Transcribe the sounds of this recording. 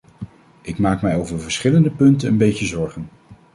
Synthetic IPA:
ʔɪkmaːkmɛjowvəɹvəɹsχɪləndəpɵntənənbejcəzɔɹχən

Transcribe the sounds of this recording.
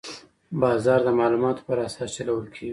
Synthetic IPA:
bɑzɑɾd̪əmɑlumɑt̪o̥pəɾasɑst͡ʃalawəlkʰeɡi

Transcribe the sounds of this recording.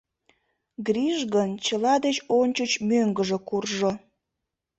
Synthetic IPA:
ɡriʒɣənt͡ɕəlɑd̪et͡ɕonʲt͡ɕət͡ɕmøŋɡəʒekurʒo

